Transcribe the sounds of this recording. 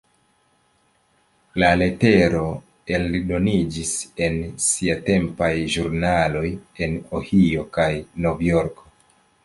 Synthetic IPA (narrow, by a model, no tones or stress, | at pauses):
lale̞te̞ɾo̞ | e̞lido̞nid͡ʒise̞nsiate̞mpajʒuɾnalo̞je̞nohio̞kajno̞vjo̞ɾko